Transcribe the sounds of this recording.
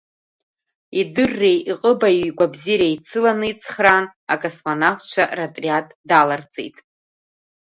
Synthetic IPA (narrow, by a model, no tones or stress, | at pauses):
idɨrːe̞jiqʼəbajiɡʷabziɾejt͡sʰɨlanɨit͡sʼʰχranakʼosmanaft͡ʃʷʰaratʼriatʼdalart͡sʼḛjtʼ